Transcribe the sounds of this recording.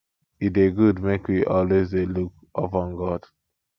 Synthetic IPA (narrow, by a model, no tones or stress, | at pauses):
it̚eɡudmekwiʔɔlwezeluk | ʔopɔ̃nɡɔd̥